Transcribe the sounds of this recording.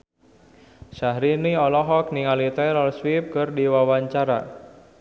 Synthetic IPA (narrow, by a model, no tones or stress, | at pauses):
ʃahɾiniɔlɔɦɔk̚niŋalit̪ajɾɔlswip̚kɨrdiwawaɲt͡ʃaɾa̰